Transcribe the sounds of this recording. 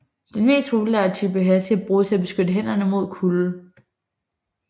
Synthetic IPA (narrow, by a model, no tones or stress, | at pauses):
d̥enme̝̰ːsd̥ʁublæɐt͡sʰyb̥əɦæt͡sʰeæb̥ʁuːt͡sʰe̝æb̥e̝sɡ̥ød̥əɦen̰ɐnəmo̝ð̞̰ˠkʰul̩